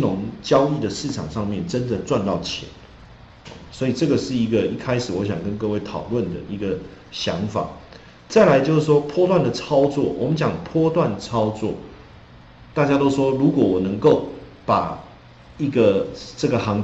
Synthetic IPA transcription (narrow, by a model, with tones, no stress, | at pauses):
nʊ˧˦ŋt͡ɕjɑ˥ʊi˥˩d̪ə˩ʂɻ̩˥˩ʈ͡ʂʰa̰˨˩ŋʂɑ˥˧ŋmjɛ˥˨nʈ͡ʂə˦˥nd̪ə˨t͡swa˥˧nt̪ɑ˥˩ʊt͡ɕʰjɛ̰˨˧˦n̰˨˩ | swɔ˧˥i˨˩ʈ͡ʂɤ˥˩ɡə˩ʂɻ̩˥˩i˧˦˥ɡə˨i˥˩kʰa˥ɪʂɻ̩˨˩wɔ˧˦ɕjaɑ˨˩ŋkə˦˥nkɤ˥˧we˥˩ɪt̪ʰɑ˨˩ʊlwə˥˨nd̪ə̰˩ʔi˧˦˥ɡə˨ | ɕjɑ˧˦ŋfa̰˨˩˦ | t͡sa˥˩ɪla˧˥ɪt͡ɕjo˥˧ʊ˥˩ʂwɔ˥pʰwɔ˥t̪wa˥˩nd̪ə˩t͡sʰɑ˥ʊt͡swɔ̰˥˩wɔ̰˨˩mə˦nt͡ɕjɑ˨˩ŋpʰwɔ˥t̪wa˥˨nt͡sʰɑ˥ʊt͡swɔ̰˥˩ | t̪a˥˩t͡ɕja˥t̪o˥ʊʂwɔ˥lu˧˥kwɔ˨˩wɔ˨˩nə˧˦˥ŋko˥˩ʊpa˨˩ | i˧˩ɡə˨ʈ͡ʂə˥˩ɡə˩hɑ˧˥ŋ